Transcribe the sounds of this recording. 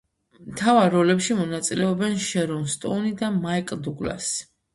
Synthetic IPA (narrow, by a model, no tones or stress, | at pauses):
mt̪ʰavaɾːɔlɛpʃimɔnat̪sʼilɛɔbɛnʃɛɾɔnst̪ʼɔ̰nid̪amaikʼd̪uɡla̰s